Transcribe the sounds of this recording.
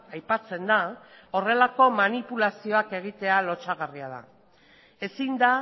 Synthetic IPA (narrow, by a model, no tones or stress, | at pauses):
ajpat͡se̞nd̪ao̞re̞lako̞manipulasio̞ake̞ɣ̞it̪e̞alo̞t͡ʃaɣ̞ariaða̰ | e̞sind̪a